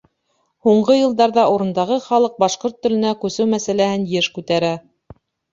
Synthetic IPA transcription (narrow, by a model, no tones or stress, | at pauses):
huɴɢɤjɤ̆lˠd̪ɑɾðɑuɾɤ̆nd̪ɑʁɤχɑlˠɤq̚bɑʃqoɾt̪ːɵ̆lɘ̆nækʉsɘwmæsælæhɘnjɘʃkʉt̪æɾæ